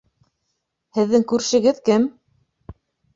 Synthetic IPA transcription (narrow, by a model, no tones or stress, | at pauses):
hɘ̆ðːɘŋkʉɾ̆ʃɘ̆ɡɘðkɘm